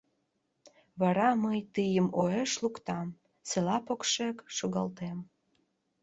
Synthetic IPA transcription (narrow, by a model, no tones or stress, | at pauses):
βɑɾɑməjt̪ɨjəmoeʃlukt̪ɑm | selɑpokʃekʃoɣɑlt̪em